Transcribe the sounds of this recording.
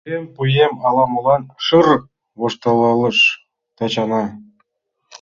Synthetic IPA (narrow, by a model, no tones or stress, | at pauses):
empujemɑlˠɑmɤ̆lˠɑnʂɯr | βoʃt̪ɑlˠɑlˠɤ̆ʃ | t̪ɑt͡ɕɑnɑ